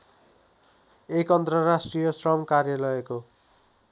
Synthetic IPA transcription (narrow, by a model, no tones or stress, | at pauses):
ekʌnt̪rʌɾasʈrijʌsrʌmkarjalʌeko